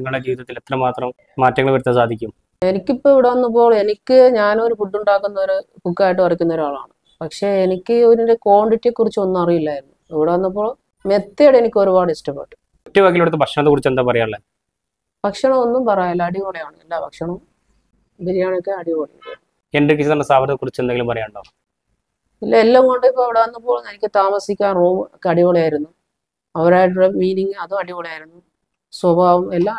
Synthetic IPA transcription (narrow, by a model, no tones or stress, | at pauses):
ŋːɐɭɽed͡ʑiːʋiðɐt̪ːilet̪ːrɐmaːt̪rɐm | maːtːɐŋːɐɭʋɐɾut̪ːɐsaːd̪ʱikʲːum | e̞nikʲːipːoiʋiɽaːnːɐp̬ːoːɭe̞nikʲːɨɲaːno̞ɾupuʈːuɳɖaːkːunːɐoɾɨ | pukːaːjiʈ̬ːɨɐrikʲːunːɐoɾuaːɭa̰ːɳɨ | pɐkʂe̞enikʲːɨoɾinde̞ko̞ːɳɖiʈːiekːurit͡ɕːɨo̞nːumɐrijilːaːjiɾunːuiʋiɽaːnːɐp̬ːoːɭ | met̪ːeɽenikʲːo̞ɾubaːɖɨistɐpːḛʈːɨ̥ | otːɐʋaːkːilʋɽut̪ːɨbʱɐkʂɐɳɐt̪̬ːekurit͡ɕːend̪aːpɐrɐjaːɭːe | bʱɐkʂɐɳɐmo̞nːumpɐrɐjɐlːɐːɽiʋoːɭejaːɳɨḛlːaːbʱɐkʂɐɳɐm | bilijaːɳokːeɐɽiʋoːɭḛj | eɳɖrik̬ːit͡ɕːɨt̪ɐnːɐsaːbɐɾt̪ɐkurit͡ɕːeneŋɡilumpɐrɐjaːɳɖoː | ilːɐelːaŋko̞ɳɖpːoɐʋiɽeɐnːɐpːo̞ːɭnenikʲːɨt̪aːmɐsikʲːaːnroːmkːeɐɽiʋoɭejaːjiɾunːu | ɐɐɾaːjʈ̬uɽemiːniŋɡɨɐðumɐɽiʋoɭejaːjiɾunːu | swɐbʱaːʋumelːaː